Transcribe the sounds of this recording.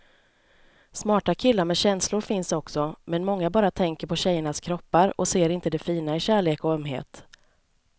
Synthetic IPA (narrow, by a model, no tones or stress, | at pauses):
smɑːʈakʰɪlːaɾmɛɕɛnslʊɾfɪnsɔksɔmɛnmɔŋːabɑːɾat̪ʰɛŋkəɾpʰɔɕɛjːəɳaskʰɾɔpːaɾɔ̰seːɾɪnt̪əd̪ɛfiːnaɪɕæːɭeːkɔœmɦḛːt̪